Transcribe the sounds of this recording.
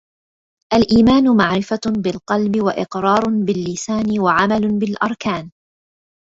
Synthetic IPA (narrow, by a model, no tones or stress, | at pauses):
ʔalʔiːmaːnʊmaʕɾɪfabɪlqɑlbɪwaʔɪqɾˤɑːɾˤbɪlːɪsaːnɪwaʕamalʊbɪlʔɑɾˤkaːn